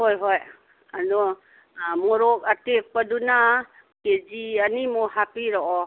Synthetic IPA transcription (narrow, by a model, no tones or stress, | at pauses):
ɦɔjɦɔj | adɔ | mɔɾɔkatek̚paduna | ked͡ʒianimɔhapiɾɔʔɔ